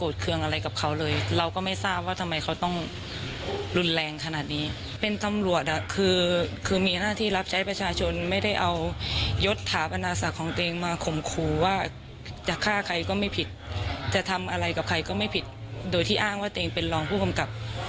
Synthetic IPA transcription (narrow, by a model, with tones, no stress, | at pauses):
koː˨˩t̪̚kʰɯ˧əŋʔa˧ɾa˧jka˨˩p̚kʰa˦˥wlɤː˧jɾa˧wkɔː˥˩ma˥˩jsaː˥˩p̚waː˥˩t̪ʰa˧mːa˧jkʰa˧˦˥wt̪ɔ˥˩ŋ | lu˧nlɛː˧ŋkʰa˧naː˨˩t̪̚niː˦˥ | pe˧nt̪a˧mlu˨˩ət̪̚ʔa˨˩kʰɯː˧kʰɯː˧miː˧naː˥˩t̪ʰiː˥˩la˦˥p̚t͡ɕʰa˦˥jpɾa˧t͡ɕʰaː˧t͡ɕʰo˧nma˥˩jda˥˩jʔa˧wjo˦˥t̪ʰːaː˩˦pʔa˧naː˧sa˨˩kʰːɔː˩˦ŋt̪o˧ʔeː˧ŋmaː˧kʰo˨˩mkʰuː˧˩waː˥˩ | t͡ɕa˨˩kʰaː˥˩kʰa˧jkɔː˥˩ma˥˩jpʰi˨˩t̪̚ːɛː˨˩t̪ʰa˧mʔa˧ɾa˧jka˨˩p̚kʰa˧jkɔː˥˩ma˥˩jpʰi˨˩t̪̚doː˧jt̪ʰiː˥˩ʔaː˥˩ŋwaː˥˩t̪eː˧ŋpe˧nlɔː˧ŋpʰuː˥˩ka˧mka˨˩p̚